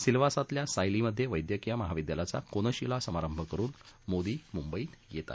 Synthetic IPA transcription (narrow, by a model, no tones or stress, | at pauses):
silʋasat̪ljasajliməd̪ʱːjeʋəjd̪jəkijaməɦaʋid̪jalat͡sa̰konəɕilasəmaɾəmbʱəkəɾuːnmod̪iːmumbəiːt̪jet̪a̰t̪